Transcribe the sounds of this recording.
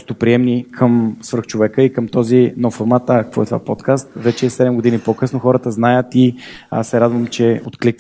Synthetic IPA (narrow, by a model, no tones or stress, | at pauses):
st̪opɾiɛmnikʰəmsvəɾxt͡ʃovɛkəikəmt̪ɔzinɔffoɾmat̪akəkvɔɛt̪ovapɔt̪kast̪vɛt͡ʃɛːsɛd̪ɛmɡod̪inipokɤsnoxɔɾət̪əznajət̪iasɛɾad̪vəmt͡ʃɛot̪klik